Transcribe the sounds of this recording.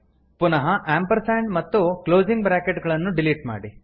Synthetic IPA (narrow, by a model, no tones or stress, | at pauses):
punɐɦɐʔaːmpɐɾsaːɳɖmɐt̪ːukloːd͡ʒiŋɡbɾaːkeʈɡɐɭɐnːuɖiliʈma̰ːɽi